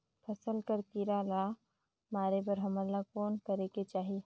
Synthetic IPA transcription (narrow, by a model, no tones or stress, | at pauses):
pʰɐsəlkəɾkiːɾala | maːɾebɐɾɦɐməlakoːnkɐɾeket͡ʃaːɦie